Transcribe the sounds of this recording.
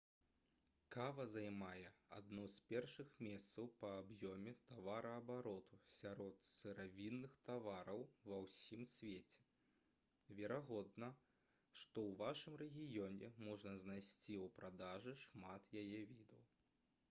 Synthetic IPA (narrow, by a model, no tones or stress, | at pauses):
kavɐzajmajɛa̰d̪nuspʲɛrʂɨxmʲɛst̪sɐwpɐːbjɔmʲɛt̪avaɾɐɐbaɾɔt̪usʲaɾɔt̪sɨɾavʲinːɨxt̪avaɾɐwvɐwsʲimsʲvʲet͡sʲɛ̥ | vʲɛɾaɣɔd̪nɐ | ʂt̪ɔwvaʂɨmrɛɣʲijɔnʲɛmɔʐnɐznajsʲt͡sʲiupɾad̪aʐɨʂmat̪jajɛvʲid̪ɐw